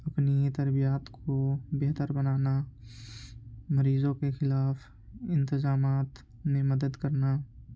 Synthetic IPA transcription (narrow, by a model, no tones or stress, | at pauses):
ɐpnit̪ɐɾbijaːt̪kʰobeɦt̪əɾbɐnaːna | mɐɾiːzõkexɪlaːf | ɪ̃nt̪ɪzaːmaːt̪ | mẽmɐd̪əd̪kɐɾna